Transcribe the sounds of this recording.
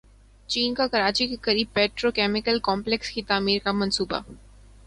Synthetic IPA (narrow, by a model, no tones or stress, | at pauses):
t͡ʃiːnkakɐɾaːt͡ʃikekɐɾiːb̚pɛːʈɾokɛːmɪkəlkɔːmplekskit̪aːmiːɾkamɐ̃nsuːba̰